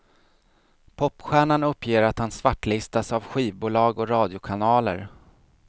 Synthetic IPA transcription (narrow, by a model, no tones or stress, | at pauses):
pʰɔpːɧæːɳanɵpːjeːɾat̪hansvaʈːlɪst̪asavɧiːvbuːlɑːɡɔɾɑːd̪jʊkʰanɑːlə̰ɾ